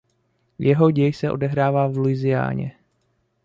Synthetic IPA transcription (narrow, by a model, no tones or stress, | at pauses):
jʔɛɦo̞ɟɛjsɛʔo̞dɛɦɾaːvaːvluɪzɪja̰ːɲɛ̰